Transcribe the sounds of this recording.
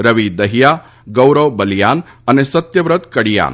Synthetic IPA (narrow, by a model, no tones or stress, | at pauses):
ɾəʋid̪ɐɦija | ɡəwɾəʋbəljan | anesɐt̪jəʋɾət̪kɐɽja̰n